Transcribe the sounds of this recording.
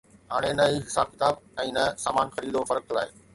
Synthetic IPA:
ɦaːɽ̃enɐiɦɪsa̰ːb̚kɪt̪aːbɛ̃ːnɐsaːmaːnxɐɾiːd̪ofɐɾək̚la̰ːɦeː

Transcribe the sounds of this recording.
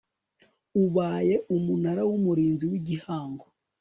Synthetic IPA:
uβaːje̞ʔumunaɾawumuɾiːnziwiɟihaːŋɡo

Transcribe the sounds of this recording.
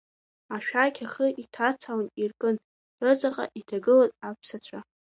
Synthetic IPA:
aʃᶣajkʲʰaχəʔitʰat͡sʰawnirkʼɨn | rɨt͡sʼaqʼa̰ʔitʰaɡɨlazʼapʰsat͡ɕʷʰa

